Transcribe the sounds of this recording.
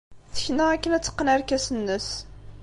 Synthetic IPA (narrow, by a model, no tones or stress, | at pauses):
θə̥çnəækːənæt͡sːə̥qːənæɾkæsənːəs